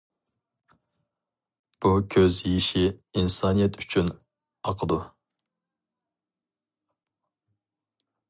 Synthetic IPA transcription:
b̥ukʲʰøzjiʃiinsɑnijɛt̪ʰyt͡ʃʰyn | ɑqʰəd̪u

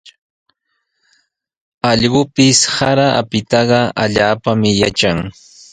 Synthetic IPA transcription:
ɑʎɢʊpɪshaɾaʔapɪt̪ɑɢɑʔaʎaːpamɪjat͡ʃaŋ

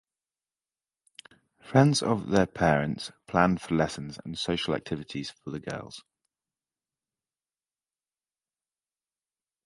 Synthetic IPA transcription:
fɹɛ̃ndz̥ə̰vðəpʰɛːɹə̃ntspʰl̥ãnfəlɛsə̃nzə̰̃nsəʊʃəla̰k̚tʰɪvɪtʰɪz̥fəðəɡɜ̰ːlˠz̥

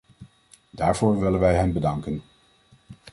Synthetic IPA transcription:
daːɹv̥ʊːɹʋɪlənʋɛjɦɛnbədɑŋkən

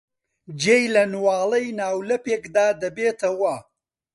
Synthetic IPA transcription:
d͡ʒeːjlɐnwaːlɐjnaːwlɐpeːkd̪aːd̪ɐbeːt̪ʰɐwɐ

